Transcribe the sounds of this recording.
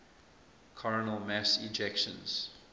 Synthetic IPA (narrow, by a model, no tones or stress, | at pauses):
kʰɔɹənəlˠmæsɪd͡ʒɛkʃə̰̃nz̥